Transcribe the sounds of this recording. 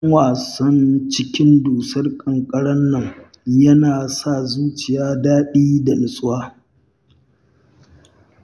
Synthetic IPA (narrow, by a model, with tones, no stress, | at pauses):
waː˨sɐ˦nt͡ʃɪ˦kʲɪ˦nduː˨sɐ˦rkʼɐ˨ŋkʼɐ˦ɽɐ˦nːɐ˦˨ŋ | jɐ˦naː˨sa˦˨zuː˦t͡ʃɪ˨jaː˦daː˦ɗiː˦da˨lɪ˨sʼʊ˦waː˦